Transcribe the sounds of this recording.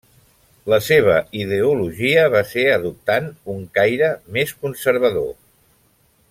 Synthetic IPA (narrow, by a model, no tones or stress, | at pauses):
ləseβ̞əiðeuluʒiəβ̞aseəðup̚t̪anuŋkajɾəmeskunsəɾβ̞əðo̰